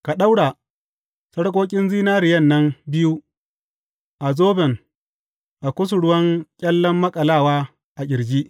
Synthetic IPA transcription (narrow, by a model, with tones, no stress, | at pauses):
ka˨ɗa˦wɽaː˨ | sɐ˦ɽkʼoː˦kʲʼɪ˦nziː˦naː˦ɾɪ˨jɐ˦˨nːɐ˦mbɪ˦ju˦ | ʔa˨zoː˦bɛ˨ŋ | ʔa˨kʷʊ˦s̬ʊ˨ɽʊ˦wɐ˦ŋkʲʼɐ˦lːɐ˦mːɐ˦kʼɐ˨laː˦˨waː˦ | ʔa˨ɡʲɪ˨ɾɡiː˦ʔ